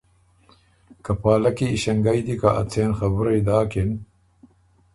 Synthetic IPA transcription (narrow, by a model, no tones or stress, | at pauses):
kapaːlakiːɕɐŋɡajd̪ikaʔa̰t͡seːnxɐbuɾajd̪aːken